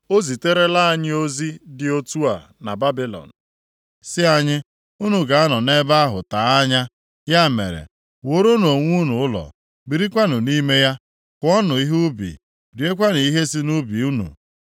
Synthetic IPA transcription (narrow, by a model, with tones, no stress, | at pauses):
o˦zi˨te˦ɾe˦la˦a˦˨ɲɪ˦o˦zi˦dɪ˨o˦tu˦a̰˨ | na˨ba˦bi˦lɔ̰˨n̩˨ | sɪ˦a˦ɲɪ˦ | u˦nu˨ɡa˨a˦nɔ˨ne˦ba˦a˦ɦʊ˨ta˨a˦ɲa˦ | ja˦˨mḛ˨ɾḛ˨ | wo˨˦ɾo˦n˨o˨ŋʷu˦nu˨ʊ˦lɔ̰˨ | bi˨ɾi˦kʷa˦nʊ˨ni˦me˦ja˦ | kʊ˨˦ɔ˦nʊ˨i˦ɦu˦bḭ˨ | di˨˦e˦kʷa˦n˨i˦ɦe˦si˦nu˦bi˨u˦nṵ˨